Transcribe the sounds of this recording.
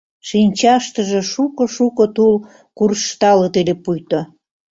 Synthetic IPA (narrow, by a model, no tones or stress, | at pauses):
ʃinʲt͡ɕɑʃt̪əʒĕʃukŏʃukot̪ul | kurʃt̪ɑlot̪elepujt̪o